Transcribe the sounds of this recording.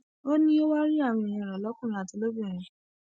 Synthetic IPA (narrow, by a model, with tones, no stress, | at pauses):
o˦nĩ˦o˦wa˦ɾi˦a˦˨w̃ĩ˧˨ĩ˧˨ɾɔ˨lɔ˨˦kũ˦˨ɾĩ˧˦a˨ti˧˦lo˦bũ˦˨ɾ̃ĩ˨